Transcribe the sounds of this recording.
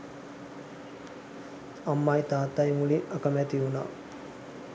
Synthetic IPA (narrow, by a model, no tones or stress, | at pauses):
amːajt̪aːt̪ajmuliakəmɛt̪iuna̰ː